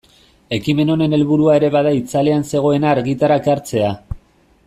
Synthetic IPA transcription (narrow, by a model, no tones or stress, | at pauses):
e̞kime̞no̞ne̞ne̞lβuɾuae̞ɾe̞βað̞ait͡sale̞anse̞ɣ̞o̞e̞naːɾɣit̪aɾakaɾt͡se̞a